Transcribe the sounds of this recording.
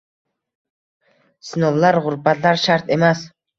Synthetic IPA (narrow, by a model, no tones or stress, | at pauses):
sɪnɒllːaɾʁʊɾbat̪laɾʃaɾt̪ʰe̞mas